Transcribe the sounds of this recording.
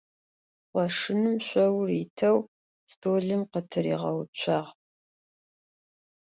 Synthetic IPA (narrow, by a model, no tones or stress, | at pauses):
qʷɔʂɨnɨmɕʷɔwriːtʰɐw | stʰoːɮɨmqətʰɨɾḭːʁɐ̰wt͡ʃʷʰɑːʁ